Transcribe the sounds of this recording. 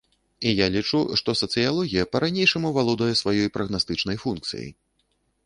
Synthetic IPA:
ijalʲit͡ʂuʂt̪ɔsɐt̪sɨjalˠɔɣʲijɐpɐɾanʲejʂɐmuvalˠɔd̪ɐjɛsvajɔjpɾɐɣnast̪ɨt͡ʂnɐjfunk̚t̪sɨ̰jɐ̰j

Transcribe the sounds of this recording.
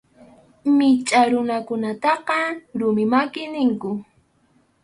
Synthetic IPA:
mɪt͡ʃʼaɾʊnakʊnat̪ɑqɑɾʊmɪmakɪnɪŋkʊ

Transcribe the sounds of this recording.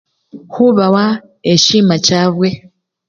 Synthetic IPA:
huβawa | eciːmacaːβwe

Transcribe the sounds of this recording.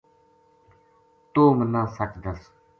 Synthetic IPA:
t̪oːmənãːsat͡ʃd̪əs

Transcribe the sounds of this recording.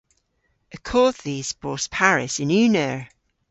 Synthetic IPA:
əkʰɔːdðiːz̥b̥ɔˑspʰaɹɪ̰sɪ̃nʉːnəɹ

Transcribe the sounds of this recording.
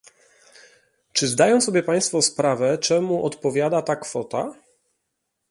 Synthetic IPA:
t͡ʂɘzd̪ajɔ̃w̃sɔbʲjɛpaj̃st̪fɔspɾavɛt͡ʂɛmuʔɔt̪pɔvʲjad̪at̪akfɔt̪a̰

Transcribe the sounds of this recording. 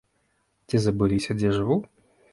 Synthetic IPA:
t͡sʲizɐbɨlʲisʲɐd͡zʲɛʐɨvu

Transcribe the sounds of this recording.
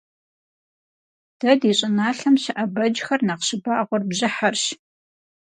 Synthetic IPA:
d̥ɐdiɕʼɪnaːɬɐmɕɪʔɐbɐd͡ʒxɐrnaqɕɪbaːʔʁʷɔrbʑɪħarʃ

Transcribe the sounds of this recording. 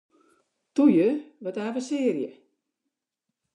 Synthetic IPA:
tujəʋɔtaːvəsɪːərjə

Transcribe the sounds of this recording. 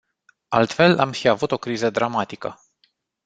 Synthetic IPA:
alt̪fe̞la̰mʃiavut̪o̞kɾizəd̪ɾamat̪ikə

